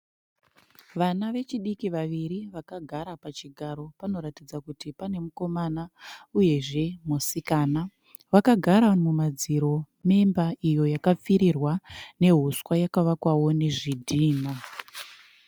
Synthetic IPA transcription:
ʋanaʋe̞t͡ʃiɗikiʋaʋiɾiʋakaɡʱaɾapat͡ʃiɡʱaɾo̞pano̞ɾatid͡zakutipane̞muko̞manauje̞ʐe̞musikana | ʋakaɡʱaɾamumad͡ziɾo̞ | me̞mbaʔijo̞jakap͡fiɾirwane̞ɦuswajakaʋakwawo̞ne̞ʐidʱiːna

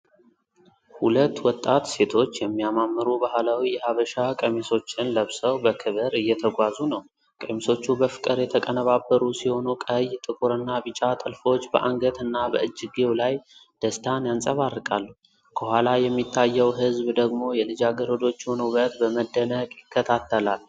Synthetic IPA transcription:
hulət̪ːwɔt̪ʼːat̪se̞t̪ʰo̞t͡ʃːjɛmːijamamːɨɾubahlawijɛhaβəʃakʼəmiso̞t͡ʃːɪnləβsəwbəkʰɨβɨɾɨjːɛt̪ʰəɡʷazunəw | kʼəmiso̞t͡ʃːubəfɨ̥kʼɨɾjɛt̪ʰəkʼənəβabːəɾusiho̞nukʼəjt̪ʼɨkʼuɾɨnːabɨt͡ʃʼat̪ʼəlfo̞t͡ʃːbəʔaŋɡət̪ʰɨnːabəɨd͡ʒːɪɡewlajd̪̥əst̪ʰanjansʼəβarːɨkʼalːu | kʰəhʷwʷalajɛmːit̪ʰːajːɛwɦɨzbd̪əɡmo̞jɛlɨd͡ʒaɡəɾəd̪o̞t͡ʃːunuβət̪bəməd̪ːənəkʼjɪkʰːət̪ʰat̪ʰːəlal

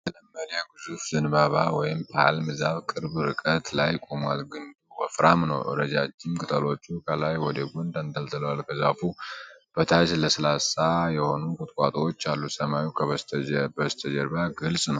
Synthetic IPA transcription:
t̪ləmːəɾjaɡɨzufzɨnbaβawɔjɪmpʰa̰lmɨzaβkʼɨɾbɾɨkʼət̪lajkʼo̞mwalɡɨnd̪uwəfɾamnə̰wʔɨ̰ɾəd͡ʒat͡ʃːɪmkʼɨt̪ʰəlo̞t͡ʃːukʰəlajwɔd̪əɡɔnd̪and̪əlt̪ʰɨləwalkʰəzafub̥ət̪ʰad͡ʒləsəlasajɛho̞nukʼʊt̪ʼkʼat̪ʼwot͡ʃːalːusəmajukʰəbəst̪ʰəd͡ʒəɾbaɡɨlsʼnəw

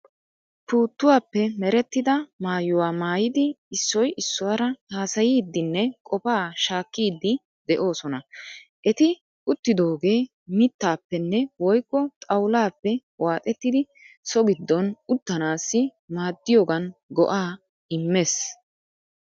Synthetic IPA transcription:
puːt̪ːʊwaːpːɛmɛɾɛt̪ːɪd̪ɐmaːjʊwaːmaːjɪd̪ɪɪsːɔjʔɪsːɔwɐɾɐhaːsɐjiːd̪ːɪnːɛkʼɔpaːʃaːkːiːd̪ːɪ | d̪ɛʔo̞ːsɔnɐʔɛt̪ɪ | ʊt̪ːɪd̪o̞ːɡe̞ː | mɪt̪ːaːpːɛnːɛwɔjkːɔt̪ʼɐwlaːpːɛ | waːt̪ʼɛt̪ːɪd̪ɪ | sɔɡɪd̪ːɔnʊt̪ːɐnaːsːɪ | maːd̪ːɪjoːɡɐnɡɔ̰ʔaː | ɪmːes

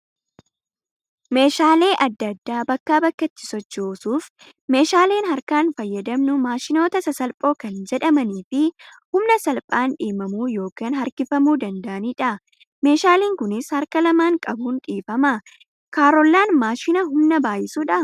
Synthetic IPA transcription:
me̞ːʃaːle̞ːʔɐd̪ːɐd̪ːaːbɐkːaːbɐkːɐt̪ːɪ̥sɔt͡ʃːoːsuːf | me̞ːʃaːle̞ːnɦɐɾkaːnfɐjːɐd̪ɐmnʊmaːʃɪno̞ːt̪ɐsɐsɐlpʼo̞ːkɐnd͡ʒɛᶑɐmɐniːfɪ | hʊmnɐsɐlpʼaːnᶑiːmɐmuːjo̞ːkaːnɦɐɾkɪfɐmuːd̪ɐnd̪ɐʔɐniːᶑɐ | me̞ːʃaːliːŋkʊnɪshɐɾkɐlɐmaːŋkʼɐbuːnᶑiːfɐmɐ | kaːɾɔlːaːnmaːʃɪnɐɦʊmnɐbaːjɪsuːᶑɐ

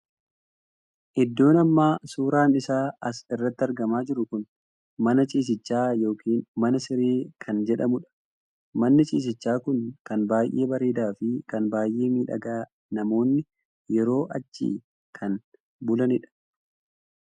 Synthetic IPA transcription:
ʔɪd̪ːo̞ːnɐmːaːsuːɾaːnɪsaːɐsɪrːɐt̪ːɪɐɾɡɐmaːd͡ʒɪɾʊkʊn | mɐnɐt͡ʃʼiːs̬ɪt͡ʃːaːjo̞ːkiːnmɐnɐsɪɾeːkʰɐnd͡ʒɛᶑɐmʊᶑɐ̥ | mɐnːɪt͡ʃʼḭːs̬ɪt͡ʃːaːkʊnkɐnbaːjʔe̞̰ːbɐɾeːd̪aːfɪkɐnbaːjʔe̞ːmiːᶑɐ̰ɡaː | nɐmo̞ːnːɪ | jɛɾo̞ːʔɐt͡ʃːḭː | kʰɐn | bʊlɐnɪᶑɐ̥

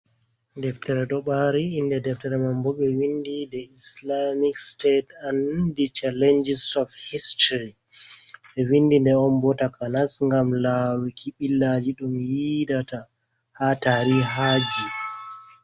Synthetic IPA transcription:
dɛftɛɾɛɗɔɓaɾiindɛdɛftɛɾɛmambɔɓɛwindidɛislamikstetandit͡ʃalɛnd͡ʒisɔfhistɾi | ɓɛwindindɛɔnbɔtakanasŋɡamlawikʰiɓilːad͡ʒiɗumjidata | hataɾiɦad͡ʒi

